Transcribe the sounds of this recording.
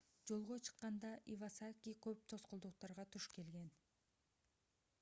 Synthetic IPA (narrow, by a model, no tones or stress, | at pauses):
d͡ʒo̞lˠʁo̞t͡ʃʰɯ̥qːɑnd̪ɑʔivasakʲikøp̚t̪ʰo̞sqʊlˠd̪uq̚t̪ɑɾʁɑt̪ʰuʃke̞lɡe̞n